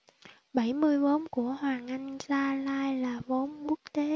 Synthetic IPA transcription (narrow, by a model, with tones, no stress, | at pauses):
ɓa˧˩jmɨ˧əjvo˨˦nku˧˩əhwaː˨˩ŋʔa˧jŋ̟zaː˧laː˧jlaː˨˩vo˨˦nku˦˥ək̚t̪e˨˦